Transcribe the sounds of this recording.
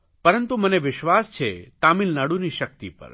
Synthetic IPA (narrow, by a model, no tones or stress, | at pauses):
pəɾənt̪uməneʋɪʃʋast͡ʃʰet̪amilnaɽuniʃək̚t̪ipə̰ɾ